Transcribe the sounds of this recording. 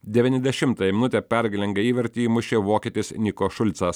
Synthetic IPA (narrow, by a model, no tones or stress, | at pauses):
d̪ʲɛʋʲiːnʲɛzʲd̪ʲɛʃʲɪmt̪ɐjɛmʲɪnʊt̪ʲeːpʲæɾʲɡʲɪlʲɛŋɡɐiːʋʲɛɾʲt̪ʲiːmʊʃʲeːʋoːkʲiːt̪ʲɪsnʲɪkoʃʊlʲt̪sɐs